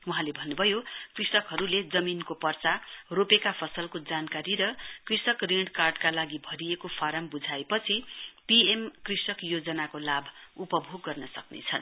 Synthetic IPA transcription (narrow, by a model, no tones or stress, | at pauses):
wuɦãlebʱʌnːubʱʌjokrisʌkɦʌɾuled͡zʌminkopʌrt͡saropekapʰʌsʌlkod͡zankaɾiɾʌkrisʌkreɳɽkarɖkalaɡibʱʌɾiekopʰaɾʌmbud͡zʱaepʌt͡sʰipiemkrisʌkjod͡zʌnakolabʱupʌbʱoɡːʌrnʌsʌknḛt͡sʰʌn